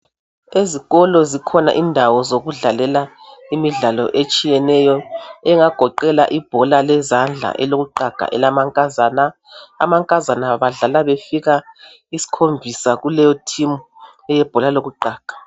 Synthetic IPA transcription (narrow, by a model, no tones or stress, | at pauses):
eziɣɔlɔzikʰɔna̰ʔindʱawɔzoɣuɮalɛlaimiɮalɔ̰ʔet͡ʃʼijɛnɛjɔɛŋaɡ̥ʱɔǃɛla̰ʔib̥ʱɔlalɛzand͡ɮʱa̰ʔɛ̰loɣuǃaɡ̥ʱa̰ʔɛ̰lamaŋkʼazana̰ː | maŋkʼazanaβaɮalaβefiɣa | isi̥kʰombʱisaɣulɛjɔtʰimu | ɛjɛb̥ʱɔlaloɣuǃaːɡ̥ʱḁ